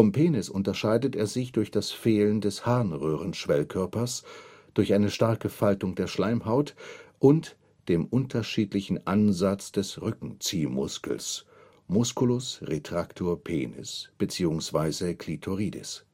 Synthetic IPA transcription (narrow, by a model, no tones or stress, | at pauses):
fɔmpʰeːnɪsʔʊntɐʃaɪdətʔeːɐzɪçd̥ʊɐçd̥asfeːləndɛshaʁnʁøːʁ̞ənʃv̥ɛlkʰœɐpɐsd̥ʊɐçʔaɪnəʃtaɐkəfaltʊŋdeːɐʃlaɪmɦaʊtʔʊnt | d̥eːmʔʊntʰɐʃiːtlɪçn̩ʔanzat͡sd̥ɛsʁʏkŋ̩t͡siːmʊ̰skl̩s | mʊskulʊsʁetʁ̥aktʰoːɐpʰḛːnɪ̰sb̥ət͡siːʊŋsv̥aɪzəkʰl̥itʰoʁiːdɪ̰s